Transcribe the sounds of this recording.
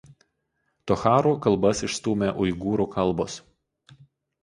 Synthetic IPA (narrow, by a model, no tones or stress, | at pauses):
t̪ɔxɑːɾuːkɐlˠˑbɐsɪʃst̪uːmʲeʔʊɪɡuːɾuːkɐlˠˑboːs